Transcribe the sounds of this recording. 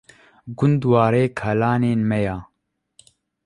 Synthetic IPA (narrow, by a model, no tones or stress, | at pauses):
ɡʊnd̪waːɾeːkʰɐlaːneːnmɛjaː